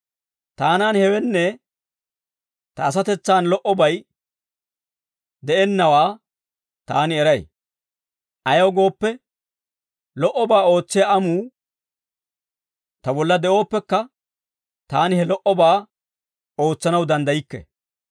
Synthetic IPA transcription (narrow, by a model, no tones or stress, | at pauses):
t̪aːnaːnhɛwɛnːɛ | t̪ɐːs̬ɐt̪ɛt͡sːaːnlɔʔɔbɐj | d̪ɛʔɛnːɐwaː | t̪aːnɪɛɾɐj | ʔɐjɐwɡo̞ːpːɛ | lɔʔɔbaːo̞ːt͡sːɪjaɐmuː | t̪ɐbɔlːɐd̪ɛʔo̞ːpːɛkːɐ | t̪aːnɪhɛlɔʔɔbaː | o̞ːt͡sːɐnɐwd̪ɐnd̪ɐjɪkːɛ̰